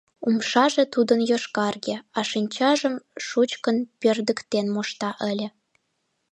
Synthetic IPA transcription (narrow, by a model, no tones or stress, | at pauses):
umʃɑʒet̪ud̪ənjoʃkɑrɣeɑʃinʲt͡ɕɑʒəmʃut͡ɕkənpørd̪əkt̪enmoʃt̪ɑʔəlʲĕ